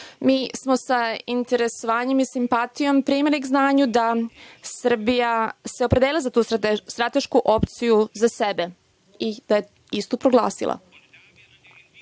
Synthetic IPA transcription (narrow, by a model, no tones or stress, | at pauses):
miːsmo̞saint̪e̞ɾe̞soʋaːɲe̞misimpat̪ijo̞mpɾiːmiliɡznaːɲud̪asr̩bijase̞o̞pɾed̪elilazat̪uːst̪ɾat̪e̞ʃkuʔo̞pt̪sijuzasebe | id̪̥aje̞ | ist̪opɾoɡlˠa̰ːsḭlˠa̰